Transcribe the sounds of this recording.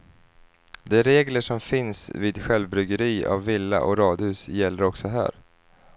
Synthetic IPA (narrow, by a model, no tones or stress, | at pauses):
d̪ɛæɾeːɡləʂɔmfɪnsviːd̪ɧɛlvbɾʏɡəɾiːa̰vːɪlːa̰ʔɔɾɑːd̪hʉ̟ːsjɛlːəɾɔksɔɦæ̰ːɾ